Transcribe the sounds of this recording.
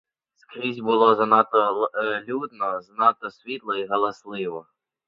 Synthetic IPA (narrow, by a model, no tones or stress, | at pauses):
skɾʲizʲbʊlˠɔznɑt̪ɔlʲud̪nɔznɑt̪ɔsʲʋʲit̪lˠɔiɦɔlˠɐslˠɪʋɔ